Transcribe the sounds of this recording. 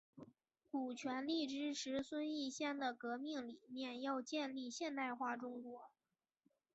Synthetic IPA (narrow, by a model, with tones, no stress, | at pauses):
ku˨˩t͡ɕʰɥɛ˧˥nli˥˩ʈ͡ʂɻ̩˥ʈ͡ʂʰɻ̩˧˥swə˥ni˥˩˧ɕjɛ˥˩nd̪ə˩kɤ˧˥mi˥˩ŋli˨˩mjɛ˥˧njɑ˥˧ʊt͡ɕjɛ˥˧nli˥˧ɕjɛ˥˧nt̪a˥˧ɪxwa˥˩ʈ͡ʂʊ˥ŋkwɔ˧˥